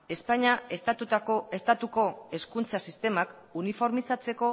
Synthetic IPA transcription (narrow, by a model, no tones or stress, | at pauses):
e̞spaɲaest̪at̪ut̪aoest̪at̪uko̞e̞skunt͡sasist̪e̞mak | unifo̞ɾmisat͡se̞ko̞